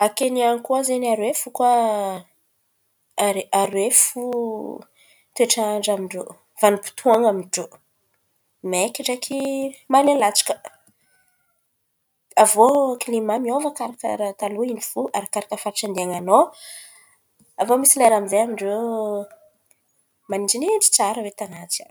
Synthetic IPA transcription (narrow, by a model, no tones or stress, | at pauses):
akeniaŋkuazenaɾwefuka | aɾwefu | t̪ueʈ͡ʂaɳɖ͡ʐamiɳɖ͡ʐo | v̥anupu̥t̪ʰuaŋamiɳɖ͡ʐo | mekiʈ͡ʂakʰimalelat͡ʃi̥kə̥ | avokilimamiovəkaɾakə̰ɾat̪aluiniv̥uʔaɾakaɾakəfaɾaʈ͡ʂand̪eaŋano | avomisilajɾamizejamiɳɖ͡ʐe | manid͡ʒineʈ͡ʂi̥t͡saɾəwet̪anat͡sa̰n